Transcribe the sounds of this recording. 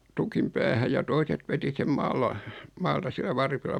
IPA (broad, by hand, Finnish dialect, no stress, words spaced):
tukim pæːhæj̆ jɑ toiset ʋeti sem mɑːlɑ mɑːltɑ silːæ ʋɑrpilːɑ